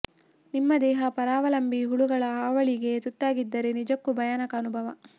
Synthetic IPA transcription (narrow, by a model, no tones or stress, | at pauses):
nimːɐd̪ɛːɦɐpɐɾaːʋɐlɐmbiɦuɭuɡɐɭɐaːʋɐɭiɡe̞t̪ut̪ːaːɡid̪ːɐɾenid͡ʒɐkːubʱɐjɐnɐkɐːnubʱɐʋɐ